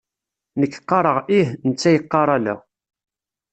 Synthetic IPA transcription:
nəkːqːɑɾˤəʁihnət͡sːæjəqːɑɾˤælæ̰

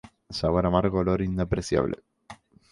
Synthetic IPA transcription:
saɣaɾamaɾɣoloɾind̪apɾeθja̰βlʔḛ

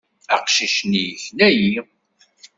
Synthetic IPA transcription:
æ̰qʃiʃnijçnæji

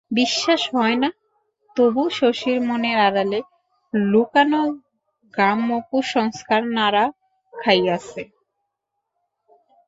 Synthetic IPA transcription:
biʃːaʃɦɔena | t̪obuʃoʃiɾmoneɾaɾale | lukano | ɡɾamːokuʃɔŋskaɾnaɾa | kʰajasʰe

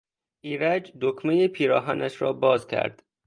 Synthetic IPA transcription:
ʔiːɾæd͡ʒd̪okʰmejepʰiːɾɒːɦænæʃɾɒ̰ːbɒːzcʰæ̰ɾd̪̥

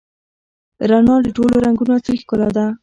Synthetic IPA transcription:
ɾanɑd̪əʈoloɾaŋɡunot͡səixkʊlad̪a

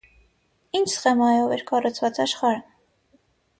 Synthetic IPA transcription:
int͡ʃʰsχɛmɑjɔvɛɾkʰɑrut͡sʰvɑt͡sɑʃχɑɾə

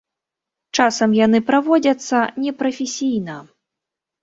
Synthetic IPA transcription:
t͡ʂasɐmjanɨpɾavɔd͡zʲɐt̪sːɐnʲɛpɾɐfʲɛsʲijnɐ

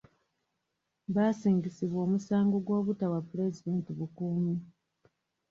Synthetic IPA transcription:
βaːsiːŋɡisiβwo̞ːmusaːŋɡo̞ɡwo̞ːβutawapule̞zideːntiβukumu

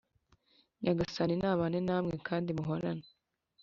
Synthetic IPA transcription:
ɲʔaɡasaninaːβanenaːmŋe̞kʰaːndimuɦoɾane

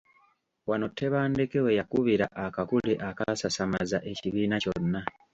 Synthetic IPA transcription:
wano̞tʰːe̞βaːndekewejakuβiɾa̰ʔakakuleʔakasasamazaʔe̞ciβiːnaco̞nːa

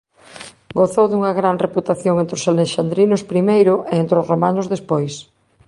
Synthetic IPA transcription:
ɡoθowðuŋɐɣɾanreput̪aθjoŋent̪ɾʊsaleʃand̪ɾinʊspɾimejɾʊʔeent̪ɾozromanʊzðespojs

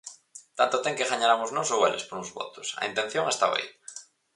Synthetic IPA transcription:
t̪ant̪ot̪eŋkeɣaɲaɾamoznosowelespoɾuŋzβo̰t̪o̥sa̰int̪enθjõŋest̪a̰βa̰ḭ

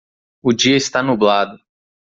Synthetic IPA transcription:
ʊd͡ʒiɐɪst̪anublad̪ʊ

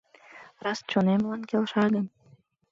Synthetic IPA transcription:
rɑst͡ɕonemlɑnkʲelʃɑɣən

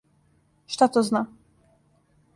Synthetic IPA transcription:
ʂt̪at̪ɔzna

